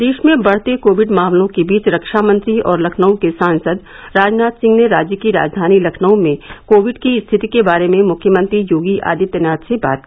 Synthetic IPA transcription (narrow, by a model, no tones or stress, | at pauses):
d̪eːʃmẽbɐɽ̤t̪ekoːʋɪɖmaːmlõkebiːt͡ʃɾɐkʃamə̃nt̪ɾiɔːɾlɐkʰnəõkesãːnsəd̪ | ɾaːd͡ʒnaːt̪sɪ̃ŋɡneɾaːd͡ʒjəkiɾa̰ːd͡ʒd̪ʱaːnilɐkʰnəõmẽkoːʋɪɖkist̪ʰɪt̪ikebaːɾemẽmʊkʰjəmə̃nt̪ɾijoːɡiʔa̰ːd̪it̪ɛnaːt̪seba̰ːt̪̚ki